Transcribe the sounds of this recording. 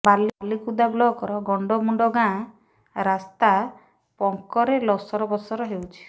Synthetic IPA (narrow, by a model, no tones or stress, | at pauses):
balilikud̪ablɔkɔɾɔɡɔɳɖɔmuɳɖɔɡã | ɾast̪a | pɔŋkɔɾelɔsɔɾɔbɔsɔɾɔɦewt͡ʃʰi̥